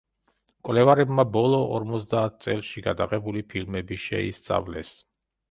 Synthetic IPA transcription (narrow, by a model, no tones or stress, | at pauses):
kʼwlɛvaɾɛbmabɔlˠɔɔ̰ɾmɔt̪sd̪aːt̪̚ʰt̪sʼɛlˠʃiɡa̰d̪aqʼɛbulipʰilmɛbiʃɛḭst̪sʼa̰vlɛs